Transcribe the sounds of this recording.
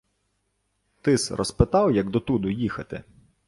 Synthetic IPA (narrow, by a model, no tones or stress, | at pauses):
t̪ɪsrʔɔ̰spɪt̪ɑwjɐɡd̪ɔt̪ud̪ʊjixɐt̪ɪ̰